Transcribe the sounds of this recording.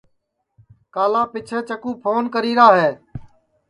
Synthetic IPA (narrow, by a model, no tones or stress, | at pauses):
kaːlãːpɪt͡ʃʰeːt͡ʃəkũːpʰoːnkəɾiːɾaːɦeː